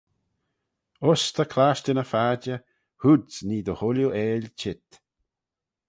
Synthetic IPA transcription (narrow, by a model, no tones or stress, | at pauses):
ʊst̪ʰəkʰlaːʃtənəfaːd͡ʒə | hudsniːd̪əhʊljuʔɛːlʲt͡ʃɪt̪